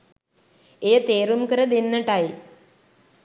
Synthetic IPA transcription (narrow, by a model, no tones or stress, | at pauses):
ejət̪eːɾumkəɾəd̪enːəʈaj